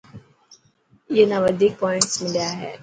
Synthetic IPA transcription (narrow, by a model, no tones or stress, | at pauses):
jenaʋəd̪ʱiːk̚pɔːɪ̃ɳʈsmɪljaɦɛ̰ː